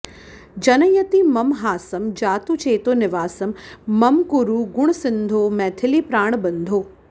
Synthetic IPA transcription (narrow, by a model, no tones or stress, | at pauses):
d͡ʑɐnəjɐt̪imɐmɦaːsɐmd͡ʑaːt̪ut͡ʃeːt̪oːnɪʋaːsɐmːɐmkʊɾuɡʊɽ̃sɪ̃nd̪ʱoːmɛːt̪ʰɪlipɾaːɽ̃bɐ̃nd̪ʱoː